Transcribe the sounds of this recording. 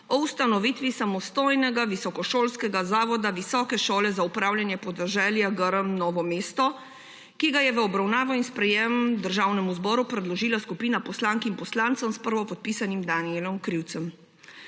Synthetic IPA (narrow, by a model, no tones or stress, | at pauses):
ɔust̪anɔʋiːt̪ʋisamɔst̪oːjnɛɡaʋisɔkɔʃoːlskɛɡazaːʋɔd̪aʋisɔːkɛʃoːlɛzaupɾaːwljanjɛpɔd̪ɛʒɛljaɡəɾəmnɔːʋɔmeːst̪ɔ | kiɡajɛʋəɔbɾawnaːʋɔinspɾɛjɛmd̪əɾʒaːwnɛmuzbɔːɾupɾɛd̪lɔʒiːlaskupiːnapɔslaːŋkimpɔslaːnt̪sɔmspəɾʋɔpɔt̪̚piːsanimd̪anielɔmkɾiwt̪sɛm